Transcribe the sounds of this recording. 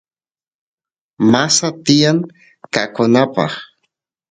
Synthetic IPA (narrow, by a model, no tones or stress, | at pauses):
masat̪ɪjaŋ | kakʊnapɑ̰χ